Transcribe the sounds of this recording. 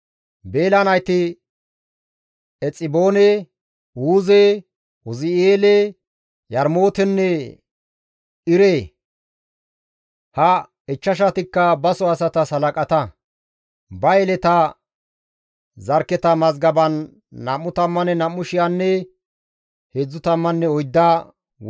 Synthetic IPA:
be̞ːlɐnɐjt̪ɪ | ɛt͡sʼːɪbo̞ːne | uːze | ʊzɪeːle | jɐɾmo̞ːt̪ɛnːɛ | ɪɾeː | hɐ | ɛt͡ʃːɐʃ̬ɐt̪ɪkːɐbɐsɔɐsɐt̪ɐsɐlɐkʼɐt̪ɐ | bɐɛlɛt̪ɐ | zɐɾkːɛt̪ɐmɐzɡɐbɐnː | ɐmːʊt̪ɐmːɐnɛnɐmːʊʃɪjanːɛ | heːd͡zːʊt̪ɐmːɐnːɛɔjd̪ːa

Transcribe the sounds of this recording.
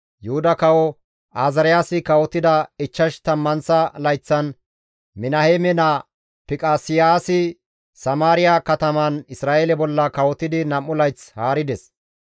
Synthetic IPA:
jʊhʊd̪ɐkɐwɔ | ʔaːzɐɾɪjaːsɪkɐwɔt̪ːɪd̪ɐɪt͡ʃːɐʃt̪ɐmːɐnsɐlɐjt͡sːɐn | mɪnɐheːmɛna | pɪkʼaːsɪjaːsɪ | sɐmaːɾɪjakɐt̪ɐmɐnɪsɾaːʔeːlɛbɔlːɐkɐwɔt̪ːɪd̪ɪnɐmːʊlɐjt͡shaːɾɪd̪ɛs

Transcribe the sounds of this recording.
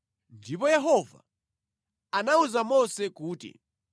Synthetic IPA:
ndipɔjɛɦɔva̰ | anauzamɔsɛkuːtḭ

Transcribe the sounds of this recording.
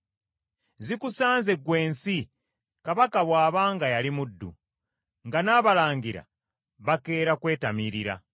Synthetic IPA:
zikusaːnze̞ɡwe̞ːnsi | kaβakaβwaːβaːŋɡajalimudːṵ | ŋɡanaːβalaːŋɡiɾa̰ | βake̞ːɾakwe̞ːtamiɾiɾa̰

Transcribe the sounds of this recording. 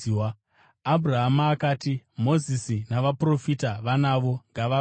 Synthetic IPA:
abʱuraɦamaːkaːtimo̞zisinaʋapro̞fitaʋanaʋo̞ŋɡaʋa

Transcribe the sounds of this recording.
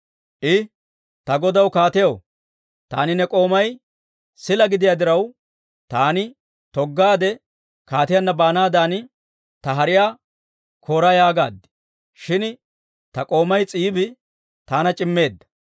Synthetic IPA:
ʔɪ | t̪ɐɡɔd̪ɐwkaːt̪ɪjɐw | t̪a̰ːnɪnɛkʼo̞ːmɐj | sɪlɐɡɪd̪ɪjaːd̪ɪɾɐw | t̪aːnɪ | t̪ɔɡːaːd̪ɛ | kaːt̪ɪjɐnːɐbaːnaːd̪aːnɪ | t̪ɐɦɐɾɪjaː | kʰo̞ːɾɐjaːɡa̰ːd̪ɪ̥ | ʃɪn | t̪ɐkʼo̞ːmɐjt͡sʼiːbɪ | t̪aːnɐt͡ʃʼɪmːe̞ːd̪ːɐ̥

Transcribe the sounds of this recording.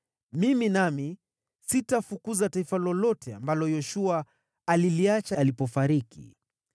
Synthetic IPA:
miminami | sitafukuzataifalɔlɔtʰɛa̰mbalɔjɔʃuaː | liliat͡ʃalipɔfaɾikḭ

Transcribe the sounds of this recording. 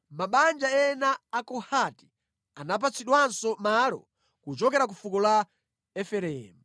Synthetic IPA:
maɓand͡ʒaɛnaːkɔhati | anap̬at͡sʰiɗwansɔmalɔ̰ | kut͡ʃɔkɛɾak̬ufukɔla | ɛfɛɾɛːmu

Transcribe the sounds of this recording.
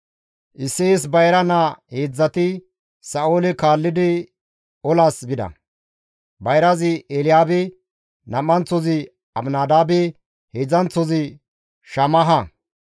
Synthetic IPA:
ʔɪsːeːsbɐjɾɐnaheːd͡zːɐt̪ɪ | sɐoːlɪkaːlːɪd̪ɪ | ɔlaːsbɪd̪ɐ̰ | bɐjɾɐzɪelɪjaːbɪ | nɐmːɐnt͡sːɔzɪ | ɐmnaːd̪aːbɪ | heːd͡zɐnt͡sɔzɪ | ʃɐmɐɦɐ

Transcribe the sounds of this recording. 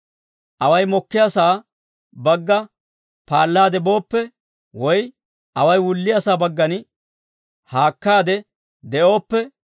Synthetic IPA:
ʔɐwɐjmɔkːɪjasaː | bɐɡːɐ | paːlːaːd̪ɛbo̞ːpːɛ | wɔj | ʔɐwɐjwʊlːɪjasaːbɐɡːɐn | haːkːaːd̪ɛ | d̪ɛʔo̞ːpːɛ

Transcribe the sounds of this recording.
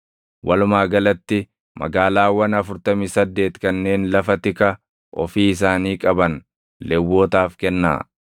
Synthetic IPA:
wʔɐlʊmaːɡɐlɐt̪ːɪ | mɐ̰ɡaːlaːwɐnɐfʊɾt̪ɐmisɐd̪ːe̞ːt̪kɐnːe̞ːnlɐfɐt̪ɪkɐ | ʔɔ̰fiːɪs̬aːniːkʼɐbɐn | lɛwːo̞ːt̪aːfkɛnːa̰ː

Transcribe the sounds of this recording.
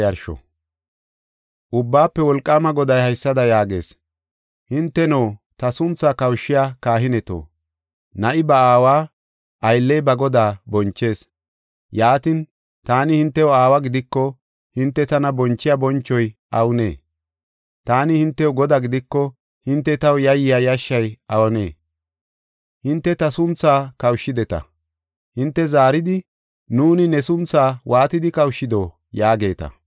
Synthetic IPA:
jɐɾʃɔ̰ | ʔʊbːaːpːɛwɔlkʼːaːmɐɡɔd̪ɐjhɐjsːɐd̪ɐjaːɡe̞̰ːs | hɪnt̪ːɛnɐwt̪ɐsʊnt͡sːakɐwʃːɪjaːkaːɦɪnɛt̪o̰ː | nɐʔɪbɐaːwaː | ʔɐjlːɛjbɐɡɔd̪aːbɔnt͡ʃːe̞ːs | jaːt̪ɪn | t̪aːnɪhɪnt̪ːɛjɔaːwɐɡɪd̪ɪkːɔ | hɪnt̪ːɛt̪ɐnɐbɔnt͡ʃːɪjabɔnt͡ʃːɔjʔɐwne̞̰ː | t̪aːnɪhɪnt̪ːɛʊɡɔd̪aɡɪd̪ɪkːɔ | hɪnt̪ːɛt̪ɐwjɐjɪjajɐʃːɐjɐwɔne̞̰ː | hɪnt̪ːɛt̪ɐsʊnt͡sːaːkɐwʃːɪd̪ɛt̪ɐ̰ | hɪnt̪ːɛzaːɾɪd̪ɪ | nuːnɪnɛsʊnt͡sːaːwʔaːt̪ɪd̪ɪkɐwʃːɪd̪oː | jaːɡe̞ːt̪ɐ̰

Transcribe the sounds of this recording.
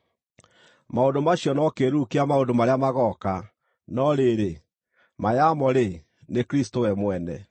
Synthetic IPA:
maondomaɕjɔnɔkeɾukeamaondomaɾeamaɣɔka | nɔɾeɾe | majamɔɾe | nekɾistowɛmwɛnɛ̰

